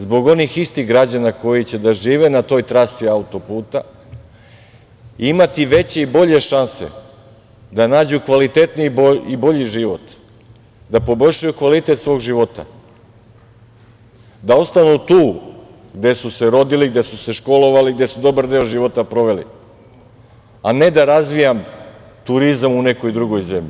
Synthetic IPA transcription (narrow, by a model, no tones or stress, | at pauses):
zbo̞ɡo̞nixist̪iɣɡɾad͡ʑanako̞jit͡ɕe̞d̪aʒiːʋe̞nat̪o̞ːjt̪ɾasiaut̪o̞puːt̪a | imat̪iʋe̞t͡ɕe̞ibo̞ʎe̞ʃanse̞̰ | d̪anaːd͡ʑukʋalit̪e̞t̪niboibo̞ʎiʒiʋo̞t̪ | d̪apo̞bo̞ʎʲʃajukʋalit̪et̪sʋo̞ːɡʒiʋo̞t̪a̰ | d̪ao̞st̪anut̪uː | ɡd̪e̞suse̞ɾo̞d̪iliɡ̚d̪e̞suse̞ʃko̞lo̞ʋaliɡ̚d̪esud̪o̞baɾd̪e̞oʒiʋo̞t̪apɾo̞ʋe̞lḭ | ane̞d̪aɾazʋijam | t̪uɾizamune̞ko̞jd̪ɾuɡo̞jze̞mʎḭ